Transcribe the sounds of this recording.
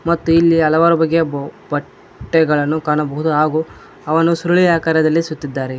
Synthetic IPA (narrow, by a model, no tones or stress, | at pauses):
mɐt̪ːuilːiɐlɐʋaːɾubɐɡːebɐʈː | ɛɡɐɭɐnːukaːɳɐbɐɦud̪uɦaːɡu | ɐʋɐnusuɾuɭiaːkaːɾjɐd̪ɐlːisut̪ːid̪ːaːɾe